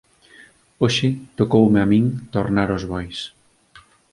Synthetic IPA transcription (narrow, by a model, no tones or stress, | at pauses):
oʃɪt̪okowmeamĩŋt̪oɾnaɾozβɔjs